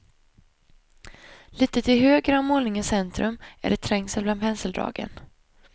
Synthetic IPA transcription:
liːt̪ət̪ʰɪlɦøːɡɾamoːlnɪŋəsɛnt̪ɾɵmæ̰ɖɛt̪ʰɾɛŋsəlblanhɛnsəld̪ɾɑ̰ːɡə̰n

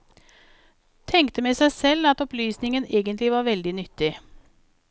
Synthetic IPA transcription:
t̪ʰɛŋkt̪əmɛːsæɪsɛlːɑt̪ɔplyːsnɪŋəneːɡənt̪lɪʋɑːɾʋɛld̪ɪnʏt̪ːɪ

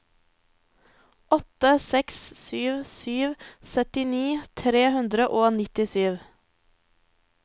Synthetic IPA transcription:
ʔɔt̪əsɛkssyːʋsyːʋsœt̪ɪniːt̪ʰɾeːhʉnd̪ɾəʔoːnɪt̪ɪsyːʋ

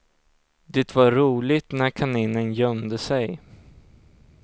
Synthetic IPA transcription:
d̪ɛt̪vaɾuːlɪt̪næɾkʰanɪnːənjœmd̪əsɛj

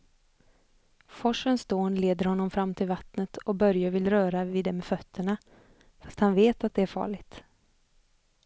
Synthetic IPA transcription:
fɔʂənsd̪oːnleːd̪əɾhɔnːɔmfɾamːt̪ʰɪlvat̪nət̪ɔbœɾjavɪlɾœːɾavɪd̪ɛmeɛfœt̪ʰːəɳa | fast̪hanveːt̪at̪̚d̪ɛæɾfɑ̰ːɭɪɡt̪

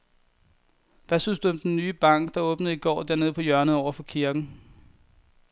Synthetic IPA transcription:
ʋæsynsd̥uɒ̽md̥enːyːb̥ɑ̈ŋ̰ɡ̥d̥ɑ̈ɔ̽ːb̥nəð̩ˠiɡ̥ɒ̰ːd̥æɐne̝ðˠpʰɒ̽jɶɐnəð̩ˠɒʊ̰ɐfɒ̽kʰiɐɡ̥n̩

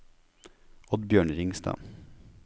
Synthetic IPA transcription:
ɔd̪bjøːɳɾɪŋst̪ɑ̰ː

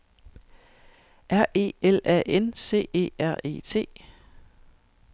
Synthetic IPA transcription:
ʔæɐ̰ʔe̝̰ːelɛ̰ʔense̝̰ːe̝̰ːæɐ̰e̝̰ːt͡sʰe̝̰ː

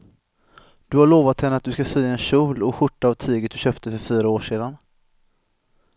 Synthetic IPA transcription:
d̪̥ɵhaɭoːvat̪hɛnəat̪̚d̪ɵskasyːaɛnɕuːlɔɧʊʈːaːvt̪ʰyːɡət̪d̪ɵɕœːpt̪əfœɾfyːɾaoːʂeːd̪an

